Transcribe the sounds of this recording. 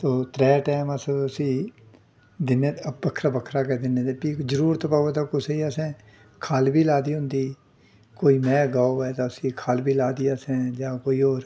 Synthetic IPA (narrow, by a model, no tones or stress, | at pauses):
t̪oːt̪ɾɛːʈɛːməsəsĩː | d̪ɪneəbəkʰɾaːbəkʰɾaːkeːd̪ɪnẽːd̪eːpiːzəɾuːɾt̪opaːot̪akʊseiəsɛ̃ː | kʰaːlbiːlaːd̪iːɦʊ̃nd̪iː | koːiːmɛ̃ːɡaːoɛːt̪aʊsĩːkʰaːlbiːlaːd̪iːəsɛ̃ːd͡ʒãːkoːiːoːɾ